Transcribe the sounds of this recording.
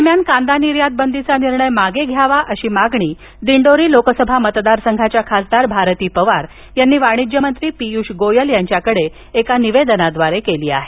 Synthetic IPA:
d̪əɾmjankãnd̪aniɾjad̪̚bənd̪it͡saniɾɳəjmaɡeɡʱjaʋaʔəɕiːmaɡɳiː | d̪iɳɖoɾiːlokəsəbʱamət̪d̪aɾsəŋɡʱat͡ɕjakʰasd̪aɾbʱaɾt̪iːpəʋaɾ | janːiːʋaɽ̃id͡ʑjəmənt̪ɾiːpijuɕɡojəljaɲt͡ɕjakəɽe | ekaniʋed̪ənad̪ʋaɾekeliːa̰ɦe

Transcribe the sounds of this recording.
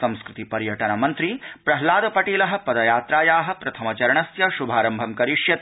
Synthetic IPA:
sɐ̃w̃skɾut̪ipɐɾjɐʈɐnɐmɐnt̪ɾipɾɐɦlaːd̪ɐpɐʈiːlɐɦɐ̆pɐd̪ɐjaːt̪ɾaːjaːɦɐ̆pɾɐt̪ʰɐmɐt͡ʃɐɾɐɳɐsjɐʃubʱaːɾɐmbʱɐmkɐɾiʂjɐt̪

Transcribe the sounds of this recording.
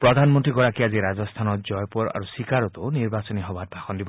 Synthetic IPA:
pɾɔd̪ʱanmɔnt̪ɾiɡɔɽakiaziɾad͡ʒɔst̪ʰanɔtd͡ʒɔjpɔɾa̰ɾusikaɾɔt̪oniɾbasɔniɦɔbat̪̚bʱaxɔnd̪ibɔ

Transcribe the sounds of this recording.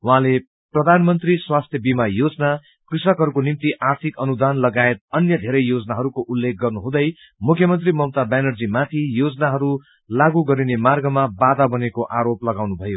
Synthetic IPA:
wɦãle | prʌd̪ʱanmʌnt̪riswast̪ʰjʌbimajod͡zʌna | krisʌkɦʌɾukonimt̪iʔart̪ʰikʌnud̪anlʌɡaet̪̚ʌnjʌd̪ʱeɾʌjjod͡zʌnaɦʌɾukoʔulːek̚ɡʌrnuɦũd̪ʌj | mukʰjʌmʌnt̪rimʌmt̪abanʌrd͡zimat̪ʰijod͡zʌnaɦʌɾu | laɡuɡʌɾinemarɡʌmabad̪abʌnekoʔaɾoplʌɡawnubʱʌjo

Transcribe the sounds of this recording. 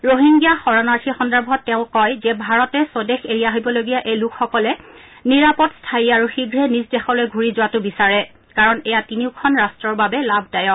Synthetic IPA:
ɹoɦiŋɡijaxɔɹɔnaɹtʰixɔndabʱɔtːɛʊ̃kɔjzɛbʱaɹɔtɛsodexeɹijaɦibɔloɡijaʔejlukʰxɔkɔlɛ | niɹapɔtstʰajiaɹuxiɡʱɹɛnisdɛxɔlojɡʱuɹizʊatʊbisaɹɛ | kaɹɔnɛjatiniʊkʰɔnɹastɹɔɹbabɛlabʱdajɔ

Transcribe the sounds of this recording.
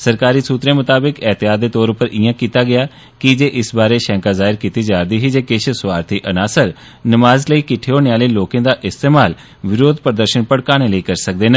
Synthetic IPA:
səɾkaːɾiːsuːt̪ɾẽːmʊt̪aːbɪkɛːt̪ɪjaːd̪eːt̪oːɾʊpəɾʔɪjãːkiːt̪aːɡɪjaː | kɪd͡ʒeːʔɪsbaːɾeːʃɛ̃ːŋkaːzaːɦɪɾkiːt̪iːd͡ʒaːɾd̪iːɦiːd͡ʒeːkɪʃʰsʊʋaːɾt̪ʰiːʔənaːsəɾ | nəmaːzləiːkɪʈʰːeːoːneːaːleiːloːkẽd̪aːʔɪst̪eːmaːl | ʋɪɾoːd̪̚pɾəd̪əɾʃənpəɽkaːɽ̃eːləiːkəɾsək̚d̪eːnə̃ː

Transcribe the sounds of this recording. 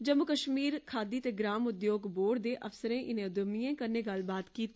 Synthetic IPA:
d͡ʒəmːʊkəʃmiːɾkʰaːd̪iːt̪eːɡɾaːmʊd̪joːɡboːɽd̪eːʔəfsəɾẽːʔɪnẽːʊd̪əmijẽːkəɾneːɡəlbaːt̪kiːt̪ː

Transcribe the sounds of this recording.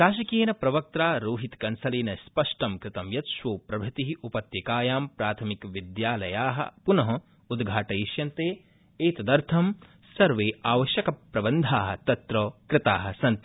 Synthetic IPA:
ɾaːʃ̬ɐkeːnɐpɾɐʋɐk̚t̪ɾaːɾoːɦit̪kɐnsɐleːnɐspɐʂʈɐmkɾɪt̪ɐmjɐt̪ʃʋoːpɾɐbʱɐt̪iɦiupɐt̪jɐkaːjaːmpɾaːt̪ʰɐmikʋid̪jaːlɐjaːɦɐ̰punɐɦɐ | ud̪ɡʱaːʈɐiʃjɐnt̪eː | eːt̪ɐd̪ɐɾt̪ʰɐm | sɐɾʋeːaːʋɐʃjɐkɐpɾɐbɐnd̪ʱaːɦɐ̆t̪ɐt̪ɾɔːkɾɪt̪aːɦɐ̆sɐnt̪i

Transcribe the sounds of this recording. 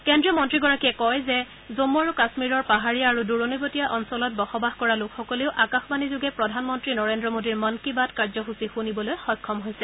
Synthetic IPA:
kɛndɹiɔmɔntɹiɡɔɹakiɛkɔjzɛ | zomːuaɹukasmiɹɔɹpaɦaɹiaːɹuduɹonibotijaʔɔnsɔlɔt̚bɔxɔbaxkɔɹalʊkxɔkɔleʊʔakaxbanizʊɡɛpɹɔdʱanmɔntɹinɔɹendɹɔmodiɹmɔnkibatkaɹzɔɦusixunibɔlojxɔjkʰːɔmɦojsɛ

